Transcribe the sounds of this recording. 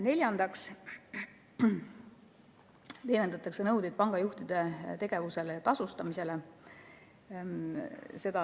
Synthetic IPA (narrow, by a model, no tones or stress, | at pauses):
ne̞lʲjɑnd̪̥ɑks | t̪e̞jnend̪ɑt̪ːˑɑksenɤwd̪id̪̚pɑŋɡ̥ɑjuht̪id̪̥e̞t̪e̞ɡ̥e̞vuse̞lejɑt̪ɑsust̪ɑmise̞le | se̞d̪ɑ